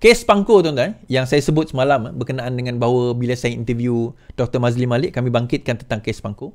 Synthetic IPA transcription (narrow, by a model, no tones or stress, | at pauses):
kɛspaŋkot̪ont̪ajaŋs̬ajasəbʊt̪̚səmalambərkənaʔandəŋãnbaɦwəbilasajaḭnt̪əvjud̥ɔk̚t̪əmazlimalɪʔkamĩbaŋkɪt̪̚kant̪ənt̪aŋkɛspaŋko